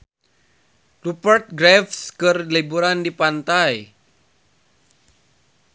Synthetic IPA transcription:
rupərt̪̚ɡɾɛfskɨrlibuɾandipant̪aj

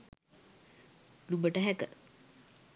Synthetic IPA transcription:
lubəʈəɦækə̰

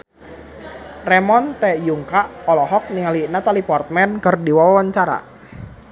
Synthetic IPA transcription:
rɛmɔnt̪ɛjuŋkaʔɔlɔɦɔk̚nialinat̪alipɔrt̪̚mɛnkərdiwawawaɲt͡ʃaɾa̰

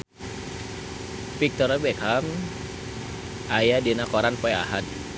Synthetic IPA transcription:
pik̚t̪ɔɾabɛkʰam | ʔajadinakɔɾanpɔja̰ɦan

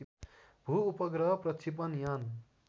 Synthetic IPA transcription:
bʱuupʌɡɾʌɦpɾʌt͡ʃʰip̬ʌnjan

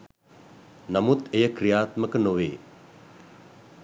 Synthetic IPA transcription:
nɐmut̪ʰejəkɾijaːt̪məkənoʋeː

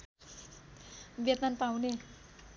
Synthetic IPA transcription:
bjet̪nanpawne

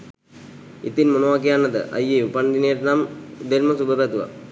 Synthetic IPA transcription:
ɪt̪ːɪnmʊnɐʋaːk̬ijaːnɐd̪ɐ̰ʔɐ̰jepɐɳɖineːɾnaːmd̪eɾmɐsubɐbɐt̪ʋa̰

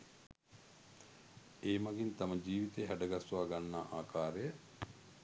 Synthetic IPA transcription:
eːmaɡint̪aməd͡ʒiːʋit̪eːɦæɖəɡasuʋaːɡanːaːʔaːkʰaːɾejə

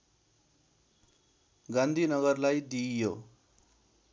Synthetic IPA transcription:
ɡãnd̪ʱinʌɡʌrlajd̪ijo

